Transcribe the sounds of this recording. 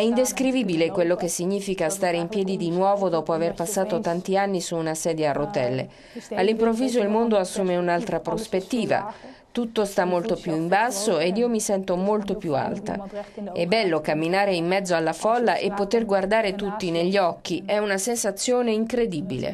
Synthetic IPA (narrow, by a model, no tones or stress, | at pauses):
ɛind̪eskɾivibilekwelːokesːiɲːiːfikast̪aːɾeimpjɛːd̪id̪inwɔːvod̪ɔːpoaverpasːaːt̪ot̪ant̪ianːisuːnasɛːd̪jearːot̪ɛlːḛ | alːimpɾovːiːzoilmond̪oasːuːmeunalt̪ɾapɾospet̪ːiːva̰ | t̪ut̪ːost̪amːolt̪opjuimbasːoed̪iːomisɛnt̪omolt̪opjua̰lt̪a̰ɛbːɛlːokamːinaːɾeimːɛd̪zːoalːafɔlːaʔepːot̪erɡward̪aːɾet̪ut̪ːineʎːiɔkːiɛunasensat̪sːjoːneiŋkɾed̪ibilḛ